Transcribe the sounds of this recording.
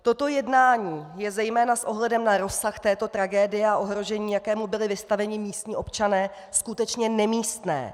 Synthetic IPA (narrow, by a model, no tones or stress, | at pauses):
t̪o̞t̪o̞jɛdnaːɲiːjɛzɛjmɛːnasʔoɦlɛdɛmnaɾo̞sːaxt̪ɛːt̪o̞t̪ɾaɡɛːdɪjɛaʔo̞ɦɾo̞ʒɛɲiːjakɛːmubɪlɪvɪst̪avɛɲɪmiːst̪ɲiːʔo̞pt͡ʃanɛː | skut̪ɛt͡ʃɲɛnɛmiːst̪nɛ̰ː